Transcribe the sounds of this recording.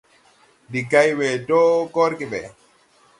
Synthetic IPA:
di˨ka˦jwɛ˨tɔ˦kɔ˦ɾkibɛ

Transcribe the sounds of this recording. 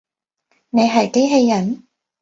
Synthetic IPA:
ne˨˧jɦɐ˨˩jke˥jɦe˧jːɐ˨˩n

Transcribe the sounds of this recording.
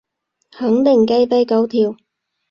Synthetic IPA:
hɐ˨˥ŋt̪ɪ˨˩ŋke˧˥jpe˥jkɐ˨˥wt̪ʰiː˨˩w

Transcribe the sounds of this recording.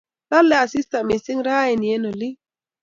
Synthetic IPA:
ta˦lɛ˦a˨sɪ˦sta˨mɪ˨sɪ˦ŋɾa˦ɛ˨ni˨e˦no˨lɪ˦

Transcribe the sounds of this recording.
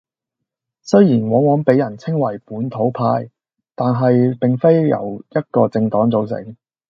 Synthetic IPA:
sɵ˥ɥjiː˨˩nwɔː˨˥ŋwɔː˨˥npe˨˥jɐ˨˩nt͡sʰɪ˥ŋwɐ˨˩jpuː˨˥nt̪ʰo˨˥wpʰaː˧j | t̪aː˨nɦɐ˨jpɪ˨ŋfe˥jjɐ̰˨˩wjɐ˥t̚kɔː˧t͡sɪ˧ŋt̪ɔː˨˥ŋt͡so˨˧wsɪ̰˨˥ŋ

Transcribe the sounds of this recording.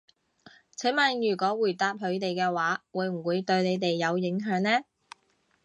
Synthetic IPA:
t͡sʰɛ˨˥ŋmaː˨˧njyː˨˩kʷɔː˨˥wuː˨˩jt̪aː˧p̚hɵ˨˧ɥt̪e˨jkɛː˧waː˨˥wuː˨˧jm̩˨˩wuː˨˧jt̪ɵ˧ɥne˨˧jt̪e˨jːɐ˨˧wjɪ˨˥ŋɦœː˨˧˥ŋnɛː˥

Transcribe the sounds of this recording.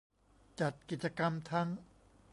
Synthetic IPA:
t͡ɕa˨˩t̪̚ki˨˩t̪̚t͡ɕa˧ka˧mt̪ʰa˦˥ŋ

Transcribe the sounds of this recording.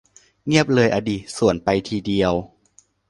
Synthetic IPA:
ŋi˥˩əp̚lɤː˧jʔa˧diː˨˩t̪̚su˨˩ənpa˧jt̪ʰiː˧di˧əw

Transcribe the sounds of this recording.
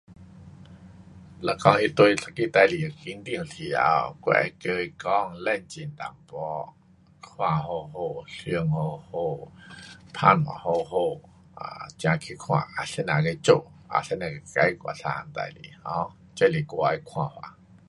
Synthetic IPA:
la˧˩kɔ˧˨ŋi˧t̪wo˧jɬa˨ki˧˥t̪a˧˨li˨ki˧˦nd̪i˧˨hsʰi˨˩a̰˧wkwɛ̰˧˨kə˧jkɔ˧˩˨ŋlɛ˧˨nt͡ɕi˨˩˨nt̪a̰˨mpɔ˧˦ | kʰw̃ã˧˨ɦo˧ɦo˧˩ɬɯ˧ə˨ŋho˧˩ho˧˩ | p̪ʰa˧˨nha̰˨ho˧ɦo˧˨ | a̰˨˧t͡ɕjã˧kʰi˧˦kʰw̃ã̰˧˩ʔa˨˩se˧˦nã˨ka˧˦t͡ɕo˧˨ | ʔa̰˨sa˧˦nã˧˩kka˧˦jkʷa̰˧˨ɬa˧˨˧nt̪a̰˧jlḭ˨hɔ˧˦ | t͡ɕa˧˦˨li˨˩kɔ˧˨a˧jkʰwã˧˨hwa̰˨

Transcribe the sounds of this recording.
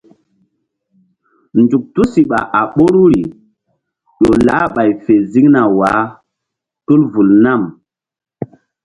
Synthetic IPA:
nd͡ʒu˨k̚tu˦si˨ɓa˨ʔa˨ɓo˦ɾu˦ɾi˨ | ɗo˨la˨˦ɓa˨jfe˨zi˦ŋna˨wa˨˦ | tu˦lvu˨lna˦˨m

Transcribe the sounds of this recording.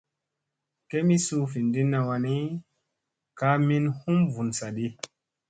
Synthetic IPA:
ke˦mi˦su˧fi˨ndi˦nːa˧wa˧ni˦ | ka˦mi˦nhu˦mvu˨nsa˨ɗi˦

